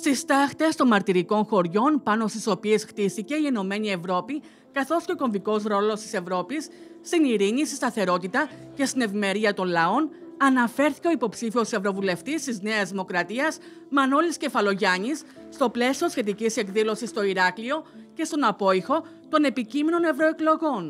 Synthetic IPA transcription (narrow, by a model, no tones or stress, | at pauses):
st̪ist̪ɐxt̪e̞st̪o̞nmɐɾt̪iɾiko̞nxo̞ɾʝo̞npɐno̞st̪iso̞pie̞sxt̪isice̞ieno̞me̞ɲie̞vɾo̞pi | kɐθo̞sceko̞ɱviko̞zɾo̞lo̞st̪ise̞vɾo̞pisː | t̪iniɾiɲist̪ist̪ɐθe̞ɾo̞t̪it̪ɐ | ce̞st̪ine̞vime̞ɾiɐt̪o̞nlɐo̞nɐnɐfe̞ɾθi̥ceoipo̞psifio̞se̞vɾo̞vule̞ft̪ist̪izne̞ɐzðimo̞kɾɐt̪iɐz | mɐno̞lisce̞fɐlo̞ʝɐɲisː | t̪o̞ple̞sio̞sçe̞t̪̬icise̞kðilo̞sist̪o̞iɾɐklio̞ce̞st̪o̞nɐpo̞ixo̞ | t̪o̞ne̞picime̞no̞ne̞vɾo̞e̞klo̞ɣo̞n